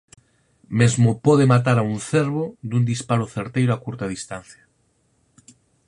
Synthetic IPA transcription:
mezmopɔðemat̪aɾaunθeɾβod̪und̪ispaɾʊθeɾt̪ejɾʊakuɾt̪ɐð̞ist̪an̟θjɐ

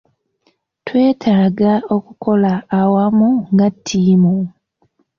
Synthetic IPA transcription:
twe̞ːtʰaːɡao̞kuko̞laːwamuŋɡatʰːiːmu

